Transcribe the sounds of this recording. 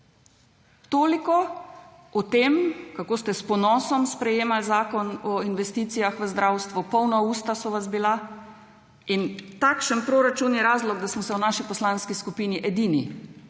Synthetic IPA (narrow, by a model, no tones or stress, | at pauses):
t̪oːlikɔ | ɔt̪eːmkakoːst̪ɛspɔnɔːsɔmspɾɛjeːmalzaːkɔnɔinʋɛst̪iːt̪sijaxʋəzd̪ɾawst̪ʋupɔwnɔuːst̪asɔʋazbila | int̪akʃənpɾoɾat͡ʃunjɛɾaːzlɔɡd̪asmɔsɛwnaːʃipɔslanskiskupiːniʔɛd̪iːnḭ